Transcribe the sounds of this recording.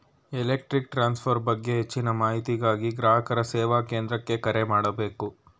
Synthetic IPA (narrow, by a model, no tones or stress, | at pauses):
ɛlek̚ʈɾik̚ʈɾaːnspʰɐɾbɐɡːe̞ɦet͡ʃːinɐmaːɦit̪iɡaːɡiɡɾaːɦɐkɐɾɐsɛːʋaːkeːnd̪ɾɐkːe̞kɐɾemaːɽɐbe̞ːku